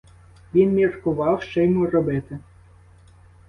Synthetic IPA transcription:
ʋʲinmʲirkʊʋɑwʃt͡ʃɛjmurɔbɪt̪e

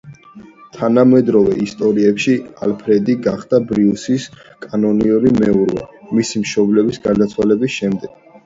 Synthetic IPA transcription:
t̪ʰanamɛd̪ɾɔvɛist̪ʼɔɾiɛpʃialpʰɾɛd̪iɡaχd̪̥abɾiusis | kʼanɔniuɾimɛuɾvɛ̰misimʃɔblɛbisɡaɾd̪at̪sʰwalɛbisʃɛmd̪ɛɡ̥

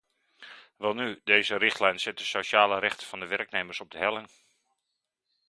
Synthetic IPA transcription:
ʋɛlˠnydejzərɪχtlɛjnsɪt̚dəsoʃaːləɾɛχtə̥vɑndəʋɛrknejmərsɔb̚dəɦɛlˠɪŋ

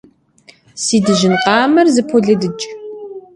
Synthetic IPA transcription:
siːdɨʒɪnqɑːmɐrzɨpʰɔɮɐdɨt͡ʃʼ

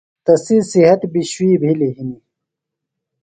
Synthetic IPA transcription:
t̪ɐsisiɦɐt̪biɕwiːbʱiliɦini

